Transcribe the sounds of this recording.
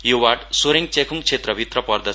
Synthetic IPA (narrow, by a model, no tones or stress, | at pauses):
jowaʈsoɾeŋ̚t͡sekʰuŋt͡sʰet̪rʌbʱit̪rʌpʌrd̪ʌ